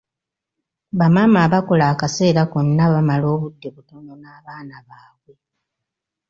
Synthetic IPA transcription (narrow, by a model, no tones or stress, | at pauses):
βamamaβako̞laːkase̞ːɾakonːaβamalo̞ːβudːe̞βutononaːβaːnaβaːβwe̞